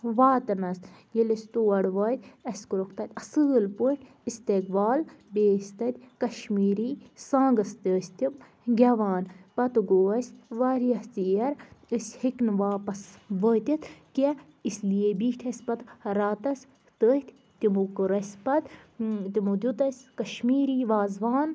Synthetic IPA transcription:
ʋaːt̪ɐnɐsjilɐsʲt̪uɐɽʋaːt̪ʲɐsʲkuɾokʰt̪ɐt̪ʲɐsɨːlpuʈ | ist̪eːk̚baːl | beːsʲt̪ɐt̪ʲkɐʃmiːɾiːsãːŋɡɐst̪əːsʲt̪ʲim | ɡʲɐʋaːnpɐt̪ɡoːɐsʲʋaːɾijɐst̪ijɐɾəsʲhiknʋaːpɐsʋəːt̪ʲit̪ke | isʲlijebiːʈʰɐsʲpɐt̪ɾaːt̪ɐsʲ | t̪əːht̪ʲ | t̪imukɨɾɐsʲpɐt̪t̪ʲimud̪ʲut̪ɐsʲkɐʃmiːɾiːʋaːzʋaːn

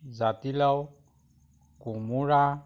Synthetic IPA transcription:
zat̪ilaw | kumuɾa

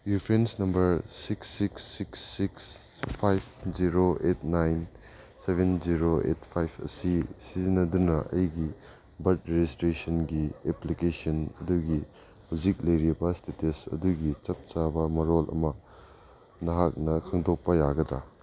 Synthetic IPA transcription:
ipʰɾensnɐmbɐɾsiksːiksːiksːikspʰajp̚ʰziɾoetnajn | sebend͡ʒiɾoḛtpʰajpʰɐ̰sisizinɐdunɐʔɐ̰jɡi | bɐt̚ɾed͡ʒistɾesɐnɡieplikesɐnɐduɡi | huwd͡ʒik̚lɐjɾibɐstetesɐ̰duɡit͡ʃɐp̚t͡ʃabɐmɐɾolʔɐ̰mɐ | nɐɦak̚nɐkʰɐŋdok̚pɐjaɡɐda̰

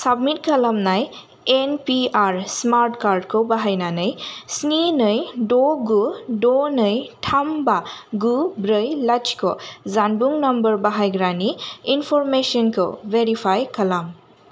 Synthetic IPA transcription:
sab̚mit̚kɐlamnaj | enpiaɾsmaɾtkaɾd̚kʰobaɦajnanɯjsninɯjdoɡudonɯjtʰambaɡubɾɯjlat͡ʃkʰɔ̰zanbuŋnɐmbəɾbaɦajɡɾaniinpʰɔɾmesɔnkʰɔ̰veɾipʰajkɐlam

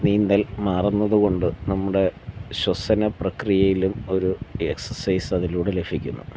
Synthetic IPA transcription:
niːnd̪ɐlmaːrɐnːɐðuɣo̞ɳɖɨnɐmːuɽe̞ɕwɐsɐnɐprɐkrijɐjilumo̞ɾueksɐrsɐjsɐðiluːɽele̞pʰikʲːṵnːṵ

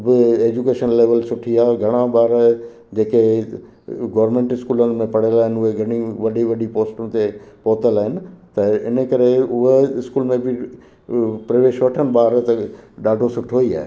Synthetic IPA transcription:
bɪeːd͡ʑukeːʃənleːʋəlsʊʈʰiaːɦeɡʱɐɽ̃ãɓaːɾ | d͡ʑeːke | ɡoːɾmẽːɳʈɪskuːlənɪ̆mẽpɐɽəlaːɦɪnɪʊɦeɡʱɐɽ̃iʋɐɗiʋɐɗipoːsʈũɪ̆t̪epɔːt̪əlaːɦɪnɪ̆t̪ɐɪnəkɐɾeʊɦeɪskuːlmẽbɪ | pɾɐʋeːʃʋɐʈʰənɪ̆ɓaːɾt̪ɐɗaːɖʱosʊʈʰoːia̰ːɦe

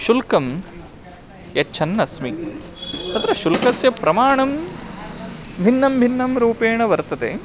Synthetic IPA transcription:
ʃulkɐm | jɐt͡ʃʰɐnːɐsmi | ɐt̪ɾɐʃulkɐsjɐpɾɐmaːɳɐm | bʱinːɐmbʱinːɐmɾuːpeːɳɐʋɐɾt̪ɐt̪ḛː

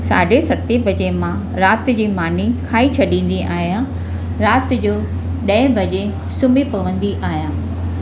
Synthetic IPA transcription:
sa̰ːɖʱesɐt̪ebɐd͡ʑemã | ɾaːt̪d͡ʑiːmaːnikʰaːit͡ɕʰɐɗĩːn̆d̪iʔaːɦja | ɾaːt̪d͡ʑoː | ɗɐ̃ɪ̃bɐd͡ʑe | sʊmipɐʋə̃nd̪iʔaːɦijaː

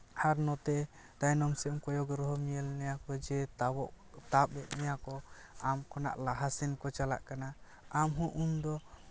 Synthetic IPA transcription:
haɾnɔt̪ɛ | d̪̥ajnɔmsɛɔmkɔjɔɡɾɔɦɔmijɛlnɛjakɔd͡ʒɛt̪bɔʔ | t̪ap̚bɛʔ̪̚nɛjakɔ | amkʰɔna̰ʔlaɦasinkɔt͡ʃala̰ʔkana | amɦɔ̃ʔund̪ɔ

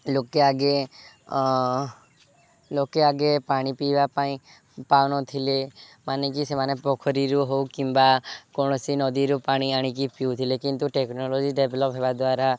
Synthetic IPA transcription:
lokeaɡe | lokeaɡepaɽ̃ipibapaĩ | panɔt̪ʰilemanek̬isemanepɔkʰɔɾiɾuɦowkimbakɔɽ̃ɔsinɔd̪iɾupaɽ̃iaɽ̃ik̬ipiut̪ʰilekint̪uʈeknɔlɔd͡ʒiɖebʱelɔpɦebad̪waɾa

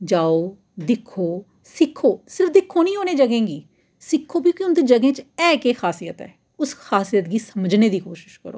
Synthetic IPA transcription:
d͡ʒaːoː | d̪ɪkʰːoː | sɪkʰːoːsɪɾəfd̪ɪkʰːoːnĩːɦoːneːd͡ʒəɡẽːɡiː | sɪkʰːoːbĩːkjʊnd̪eːd͡ʒəɡẽːt͡ʃɛːkeːxaːsiːət̪ɛ̰ː | ʊsxaːsijət̪ɡiːsəməd͡ʒneːd̪iːkoːʃɪ̥ʃkə̰ɾo̰ː

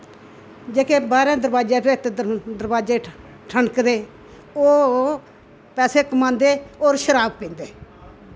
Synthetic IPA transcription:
d͡ʒeːkeːbaːɾẽːd̪əɾbaːd͡ʒeːpeːt̪ed̪əɾbaːd͡ʒeː | ʈʰəɳkd̪eː | oː | pɛːseːkəmãːnd̪eːoːɾʃəɾaːbpẽːnd̪eː

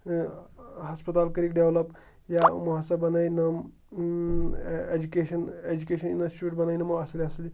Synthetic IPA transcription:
ɦɐspɐt̪aːlkɐɾik̚ɖeʋlɐp | jamuɦasɐbɐnajnɐm | ed͡ʒukeːʃɐned͡ʒukeːʃɐninɐsʈuʈ̚bɐnaːinɐmɐɐsɐliɐsɐli

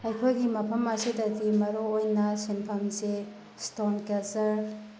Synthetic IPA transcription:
ɐjkʰojɡimɐpʰɐmɐsidɐtimɐɾoojnɐsinpʰɐmse | stonkesɐɾ

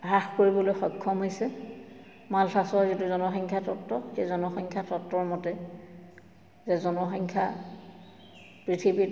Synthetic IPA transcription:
ɦaxkoɹibɔlojxɔjkʰːɔmɦojsɛ | maltʰasɔɔzituzɔnɔxɔŋkʰjatʰɔtɹɔxezɔnɔxɔŋkʰjatʰɔtːɔɹmɔtɛ | zɛzɔnɔxɔŋkʰja̰ | pɹitʰibi

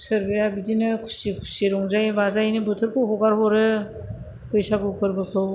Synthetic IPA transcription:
sɯɾbijabidinɯkʰu̥sikʰu̥siɾɔŋzajbazajnɯbɯtʰɯɾkʰɯwɦɔɡaɾɦɔɾɯ | pɯjsakɯkʰɯɾbɯkʰɯw

